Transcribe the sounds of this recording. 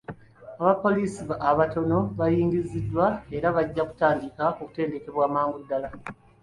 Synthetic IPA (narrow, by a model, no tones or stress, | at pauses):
aβapo̞liːsiβaʔːβato̞no̞βajiːŋɡizidːwae̞ɾaβaɟːaku̥taːndikaoku̥te̞ːnde̞ke̞βwaːmaːŋɡudːala